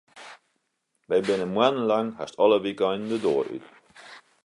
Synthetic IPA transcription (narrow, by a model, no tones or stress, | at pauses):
ʋɛjbɪnənmwanən̩laŋhastɔləʋikɔjnn̩dədoːəɾʔy̰t